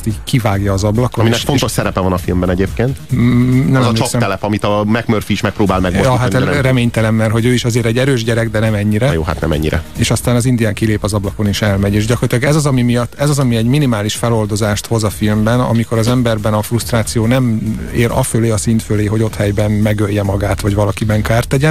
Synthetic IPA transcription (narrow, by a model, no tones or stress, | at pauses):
t̪iːɟkivaːɡjɒːzɒblɒkominɛkfont̪oʃsɛɾɛpɛvɒnɒfilmbɛnɛɟeːp̚keːnt̪nɛmt͡ʃːesɛɛlɛpɒmit̪ɒmɛɡmørfiːʃmɛk̚pɾoːbaːlmɛɡojɒɦarɛmeːɲt̪ɛlɛmːɛrɦo̞ɟøːiʃɒzeːɾɛɟːɛɾøːʒɟɛɾɛɡd̪ɛnɛmɛɲːiɾɛjoːɦa̰t̪nɛ̰mɛ̰ɲːiɾɛ̰eːʃɒst̪aːnɒzind̪ijaːŋkileːpɒzɒblɒko̞niʃɛlmɛɟeːʒɟɒkorɒt̪lɒɡɛzɒzɒmimijɒt̪ːɛzɒzɒmiɛɟminimaːliʃfɛlo̞ld̪o̞zaːʃt̪ho̞zɒfilmbɛnɒ̰miko̞ɾɒzɛmbɛrbɛnɒfrust̪raːt̪sijoːnɛmeːɾʔɒ̰føleːɒsint̪føleːɦo̞ɟo̞t̪hɛjbɛnmɛɡøjːɛmɒɡaːt̪ʋɒɟʋɒlɒkibɛŋkaːrt̪ɛɟɛ